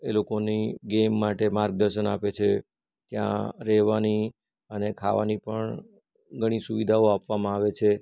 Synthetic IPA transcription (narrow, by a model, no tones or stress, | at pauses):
elokoniɡemːaʈemaɾɡ̚d̪əɾʃənapet͡ʃʰe | t̪jã̰ɾɛɦʋani | ənekʰa̰ʋa̰nipəɳ | ɡʱəɽ̃isuʋid̪ʱaoapʋamãaʋet͡ʃʰe